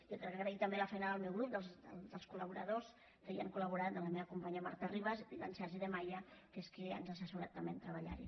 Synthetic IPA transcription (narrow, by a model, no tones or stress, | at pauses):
jokɾɛkːəɣɾəit̪əmbeləfɛjnaðəlˠmɛwɣɾup̚d̪əlˠzdəd̪əlˠskuləβuɾəðos | kəjiaŋkuləβuɾat̪d̪ələmeβaəkumpaɲiəma̰ɾt̪ariβəzilansɛɾʒiðəmajəkeskea̰nzasəsuɾat̪ːəmbent̪ɾəβaʎa̰ɾi